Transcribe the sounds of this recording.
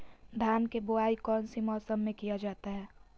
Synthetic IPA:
d̪ʱaːnkebʊaːikɔːnsimɔːsəmːẽkijad͡ʒaːt̪aɦɛː

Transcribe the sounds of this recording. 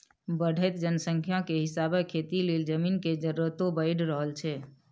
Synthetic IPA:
bəɽ̤ʱəɪt̪d͡ʒənsəŋkʰjakeɦɪsabekʰet̪ileld͡ʒəmiːnked͡ʒəɾət̪õbəɪɽɾəɦəlt͡ʃʰɛ

